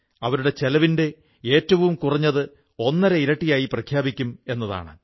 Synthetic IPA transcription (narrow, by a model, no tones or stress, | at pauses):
ɐʋɐɾuɽe̞t͡ɕe̞lɐʋinde̞ | e̞ːtːɐʋumkurɐɲːɐðɨ | o̞nːɐɾeiɾɐʈːijaːjiprɐkʰjaːbikʲːume̞nːɐða̰ːɳɨ